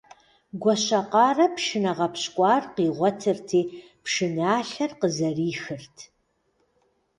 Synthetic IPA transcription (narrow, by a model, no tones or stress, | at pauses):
ɡʷɔɕɐqɑːrɐpʃɪnɐʁɐpɕkʷʼɑːrqiːʁʷɔtʰɨrtʰiː | pʰʃɪnaːɬɐrqəzɐriːxɨrtʰ